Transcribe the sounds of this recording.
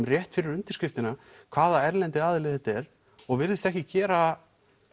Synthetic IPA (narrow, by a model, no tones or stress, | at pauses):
mrjɛht̪fɪɾɪɾʏnt̪ɪɾ̥skɪft̪ɪna | kʰv̥aːðaɛɾlɛnt̪ɪaːðɪlɪθɛht̪aɛɾ̥ | ɔɣvɪɾðɪst̪ɛhcɪcɛːɾa